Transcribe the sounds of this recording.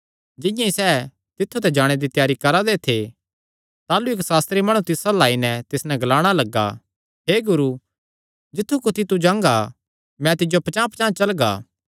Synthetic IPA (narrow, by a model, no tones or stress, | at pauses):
d͡ʒɪ̃jãisɛː | t̪ɪt̪ʰːut̪ɛd͡ʒaːɽ̃ed̪it̪jaːɾikɐɾad̪et̪ʰe | t̪aːlueksaːst̪ɾimɐːɽ̃ũt̪ɪsalaːinɛt̪ɪsnɛɡɐlaːɽ̃alɐɡːa̰ | ɦeːɡʊɾu | d͡ʒɪt̪ʰːukʊt̪ʰit̪ud͡ʒãːŋɡa | mɛ̃t̪ɪd͡ʒopɐt͡ʃãːpɐt͡ʃãːt͡ʃɐlɡa̰ː